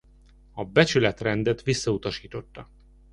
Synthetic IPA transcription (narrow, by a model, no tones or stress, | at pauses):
ɒbɛt͡ʃylɛt̪rɛnd̪ɛt̪ʋisːɒut̪ɒʃiːt̪o̞t̪ːɒ